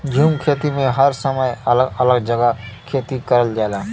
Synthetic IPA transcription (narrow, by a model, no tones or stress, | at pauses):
d͡ʒʱuːmkʰeːt̪imẽɦɐɾsəməjɐləɡələɡ̚d͡ʒɐɡakʰeːt̪ikɐɾəld͡ʒaːlaː